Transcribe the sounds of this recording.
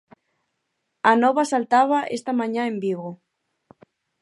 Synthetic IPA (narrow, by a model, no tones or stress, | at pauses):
anɔβasalt̪aβaʔest̪amãɲãembiɣo